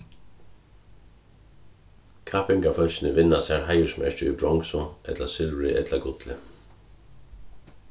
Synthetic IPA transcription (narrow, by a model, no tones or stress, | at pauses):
kʰaːpɪŋɡafœlçɪnəʋɪnasæːɹɦaɪəsmɛ̰t͡ʃəʏ̰bɹɔŋsɔʔɛt̪lasɪlɹɪʔɛt̪laɡʊt̪lɪ̰